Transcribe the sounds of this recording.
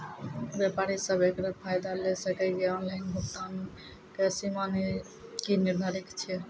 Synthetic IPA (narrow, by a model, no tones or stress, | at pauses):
bjɛpaɾisəbʱekɾapʰajd̪alɛsəkɛɡeɔnlaɪnbʱukt̪an | kesiman | kiniɾd̪ʱaɾikt͡ʃʰɛ